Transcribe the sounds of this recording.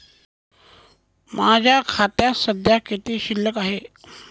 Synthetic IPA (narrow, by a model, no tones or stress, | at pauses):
mad͡ʑʱjakʰat̪jasəd̪ʱjakit̪iːɕilːəkaɦe